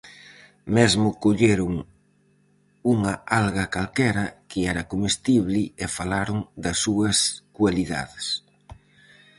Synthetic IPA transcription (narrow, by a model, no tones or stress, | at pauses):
mɛzmʊkoʎeɾʊŋ | uŋɐalɣɐkalkɛɾɐkɪɛɾɐkomest̪iβlɪefalaɾʊŋd̪ɐsːuɐskwaliða̰ðɪs